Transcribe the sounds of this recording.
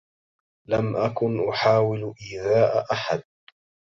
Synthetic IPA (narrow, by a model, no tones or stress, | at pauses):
lamʔakʊnʔʊħaːwɪlʔiːðaːʔʔaħad̪̚